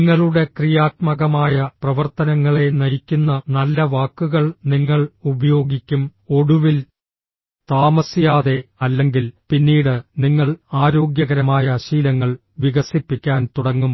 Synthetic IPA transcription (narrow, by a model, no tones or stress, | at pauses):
ŋːɐɭuɽe̞krijaːt̪̚mɐɣɐmaːjɐprɐʋɐrt̪ɐnɐŋːɐɭe̞nɐɾikʲːunːɐnɐlːɐʋaːkːuɣɐɭniŋːɐɭubɐjo̞ːɡikʲːumo̞ɽuʋil | t̪aːmɐsijaːðe̞ɐlːe̞ŋɡilpinːiːɽɨniŋːɐɭaːɾo̞ːɡjɐɣɐɾɐmaːjɐɕiːlɐŋːɐɭ | ʋiɣɐsipːikʲːaːnt̪uɽɐŋːum